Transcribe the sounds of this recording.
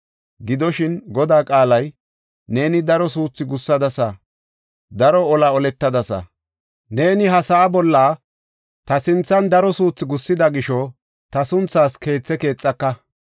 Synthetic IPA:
ɡɪd̪ɔʃɪnɡɔd̪aːkʼaːlɐj | ne̞ːnɪd̪ɐɾɔsuːt͡sːɪɡʊsːɐd̪ɐsɐ | d̪ɐɾɔɔlɐɔlɛt̪ːɐd̪ɐsɐ̰ | ne̞ːnɪɦɐsɐʔːbɔlːaː | t̪ɐsɪnt͡sːɐnd̪ɐɾɔsuːt͡sːɪɡʊsːɪd̪ɐɡɪʃɔ | t̪ɐsʊnt͡sːaːske̞ːt͡sːɛke̞ːt͡sʼːɐkːɐ

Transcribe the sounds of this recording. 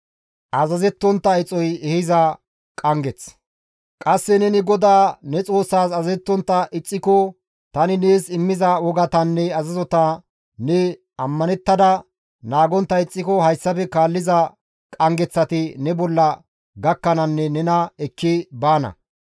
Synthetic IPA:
ʔɐzɐzɛt̪ːɔnt̪ːɐɪt͡sʼɔjɛhɪzɐ | kʼɐŋɡɛt͡s | kʼɐsːɛnɛnɪɡɔd̪aːnɛt͡sʼo̞ːsːaːsɐzɛt̪ːɔnt̪ːɐʔɪt͡sʼːɪkɔ | t̪ɐnɪneːsɪmːɪzɐwɔɡɐt̪ɐnːɛɐzɐzɔt̪ɐ | nɛ | ɐmːɐnɛt̪ːɐd̪ɐ | naːɡɔnt̪ːɐɪt͡sʼːɪkɔhɐjsːɐfɛkaːlːɪzɐ | kʼɐŋɡɛt͡sːɐt̪ɪnɛbɔlːɐ | ɡɐkːɐnɐnːɛnɛnɐɛkʰːɪbaːnɐ̰

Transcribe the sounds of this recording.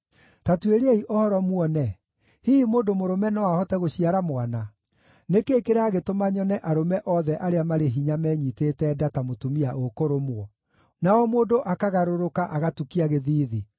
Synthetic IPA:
tatueɾeeiʔɔhɔɾɔmwɔnɛ | hiimoːndomoɾomɛnɔwahɔtɛɣoɕiaɾamwana | nekeːkeɾaːɣetomaɲɔnɛʔaɾomɛʔɔðɛʔaɾeamaɾeɦiɲamɛɲitetɛdatamotomiaʔokoɾomwɔ | naɔmoːdoʔakaɣaɾoɾokaʔaɣatukiaɣeðiːði

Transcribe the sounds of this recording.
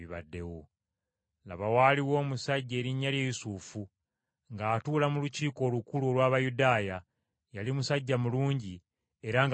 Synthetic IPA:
iβa̰dːe̞wo | la̰βawaːliwo̞ːmusaɟːeːɾiɲːaljeːjusuːfu | ŋɡaːtuːlamuluciːko̞ːlukuluo̞lwaːβajudaːja | jalimusaɟːamuluːɲɟi | e̞ɾaŋɡ

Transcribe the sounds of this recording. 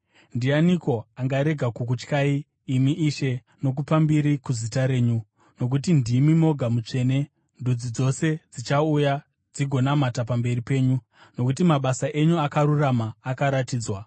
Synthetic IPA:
ndianiko̞aŋɡaɾe̞ɡʱakuk̬ut͡ʃkaiː | miʔiʃe̞ | no̞k̬upambiɾikuzitaɾe̞ːɲu | no̞k̬utindimimo̞ɡʱamut͡ʂe̞ːne̞ | ndud͡zid͡zo̞se̞d͡zit͡ʃauja | d͡ziɡʱo̞namatapambe̞ripe̞ːɲu | no̞kutimaɓasaʔe̞ɲuakaɾuramaːkaɾatiːd͡zwa

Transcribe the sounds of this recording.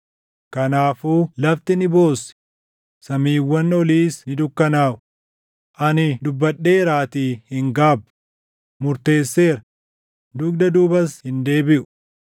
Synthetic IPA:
kɐnaːfuːlɐft̪ɪnɪbo̞ːsɪ̥ | sɐmiːwːɐnːɔliːsnɪd̪ʊkːɐnaːʔʊ | ʔɐnɪd̪ʊbːɐɗːe̞ːɾaːt̪iːhɪŋɡaːbʊ | mʊɾt̪e̞ːsːe̞ːɾɐ | d̪ʊɡ̚d̪ɐd̪uːbɐshɪnd̪e̞ːbɪʔʊ̥

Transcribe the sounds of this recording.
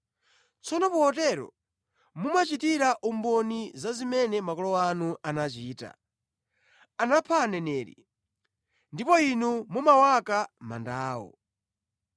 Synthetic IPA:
t͡sɔnɔpuɔtɛɾɔ̰ | mumat͡ʃitiɾaʔumbɔnizazimɛnɛmakɔlɔwanuʔanat͡ʃiːta̰ | anapʰanɛnɛːɾḭ | ndipɔinumumawakama̰ndaːwɔ̰

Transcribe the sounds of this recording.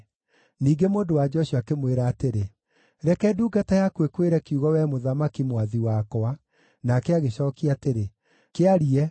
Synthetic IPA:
niːɡemoːndowad͡ʒɔɕuakemweɾaːteɾe | ɾɛkɛduːɡatajakwekweɾɛkiuɣɔwɛmoðamakimwaðiwakɔa | nakɛaɣeɕɔːkiateɾe | keaɾiɛ

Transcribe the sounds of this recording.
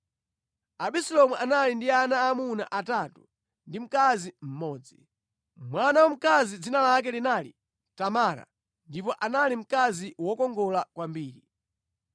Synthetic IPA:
aɓisɛlɔmuanalindianaːmuna̰ʔataːtu | ndim̩kazim̩mɔːd͡zi | mwanawam̩kazid͡zinalak̬ɛlinalḭ | tamaːɾa̰ | ndipɔʔanalim̩kaziwɔkɔŋɡɔlakwambiːɾi

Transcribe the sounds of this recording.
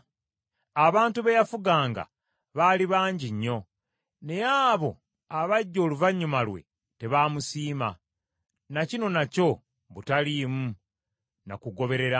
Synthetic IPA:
aβaːntuβe̞jafuɡaːŋɡa̰ | βaːliβaːɲɟiɲːo̞ | ne̞jaːβo̞̰ | aβaɟːo̞ːluvaɲːumalwe̞̰ | te̞βaːmusiːma | nacino̞naco̞ | βutalimu | na̰kuɡo̞βe̞ɾe̞ɾa

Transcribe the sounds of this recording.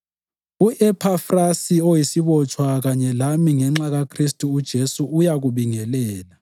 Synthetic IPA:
uʔɛpʰafrasiojisiβɔt͡ʃʰʼwaɣaɲɛlamiŋɛŋ͡ǁaɣakʰristʼuːd̥ʒ̥ʱesuujaɣuβiŋɛlɛːla

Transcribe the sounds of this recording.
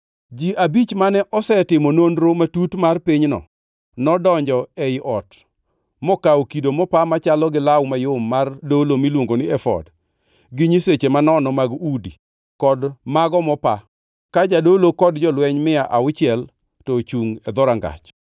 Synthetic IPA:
d͡ʒiʔabit͡ʃmanɛʔɔsɛtɪmɔnonɾomatutmarpiɲnɔ̰ | nɔdɔɲd͡ʒɔɛɪʔɔt | mɔkawkidomɔpamat͡ʃalɔɡɪlawmajʊmːardolomilwoŋɡonɪɛfɔ̰d | ɡɪɲiset͡ʃemanɔnɔmaɡudi | kɔdmaɡɔmɔpa | kad͡ʒadolokɔdd͡ʒɔlwɛɲmɪaʔaʊt͡ʃɪɛl | tɔt͡ʃuŋɛd̪ɔɾaŋɡa̰t͡ʃ

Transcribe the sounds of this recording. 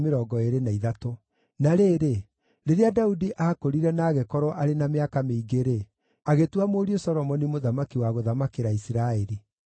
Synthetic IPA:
meɾɔɡɔeɾenaiðato | naɾeːɾe | ɾeɾeadaudiʔaːkoɾiɾɛnaːɣekɔɾɔʔaɾenameakameiɡeɾe | aɣetuwamoːɾiosɔɾɔmɔnimoðamakiwaɣoðamakeɾaisiɾaeɾi

